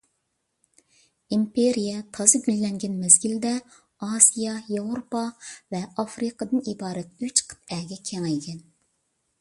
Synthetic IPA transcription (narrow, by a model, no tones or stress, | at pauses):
impeɾijɛt̪ʰɑzɨbylːɛŋɡʲɛnmɛzɡʲild̪ɛ | ɑsijɑjevɾopɑvɛɑfɾɨqɑd̪ɨnibɑːɾɛt̪̚yt͡ʃqʰə̥t̪ɛɡʲɛkʲʰɛŋɛjkʲɛn